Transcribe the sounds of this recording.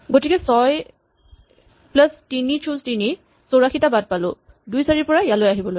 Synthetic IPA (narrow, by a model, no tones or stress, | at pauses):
ɡotikɛsɔj | plastinit͡ʃʰuztini | soɹaxitabad̚palʊ̰ | dujsaɹipɔɹajalojaɦibɔloj